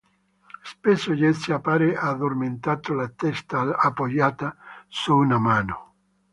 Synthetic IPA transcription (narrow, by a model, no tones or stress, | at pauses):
spesoʎesiapaɾeʔad̪orment̪at̪olat̪ɛst̪aapːojaːt̪asuːnamaːno